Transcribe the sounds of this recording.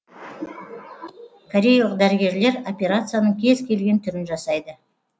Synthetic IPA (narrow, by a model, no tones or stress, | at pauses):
kʰoɾʲe̞jlˠəq̚d̪æɾəɡʲe̞ɾle̞ɾo̞pʲe̞ɾat̪sɨjanəɴkʲʰe̞zkʲʰe̞lɡʲe̞nt̪ʰʏɾɪnʒɑsɑjd̪ə